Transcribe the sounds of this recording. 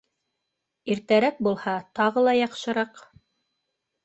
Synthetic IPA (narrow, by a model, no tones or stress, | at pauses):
iɾt̪æɾæk̚bulˠhɑt̪ɑʁɤlˠɑjɑqʃɤ̆ɾɑq